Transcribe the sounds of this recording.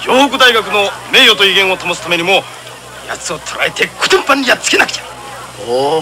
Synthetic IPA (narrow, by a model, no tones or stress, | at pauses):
joːhokɯ̟d̪aiɡakɯ̟no̞me̞ːjo̞t̪oiɡẽɰ̃o̞t̪amosɨ̥t̪ame̞ɲ̟imo̞ | ja̰t͡sɨo̞t̪ʰoɾa̰et̪e̞kɯ̥t̪ɯ̃mpːãɲʲːijat͡sɨ̥ke̞nakɯ̟̥ḁ